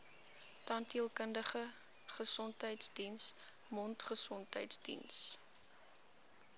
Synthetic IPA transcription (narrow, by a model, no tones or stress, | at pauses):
tɑntiəlˠkəndəχə | χəsɔntɦəjtsdins | mɔntχəsɔntəjtsdḭns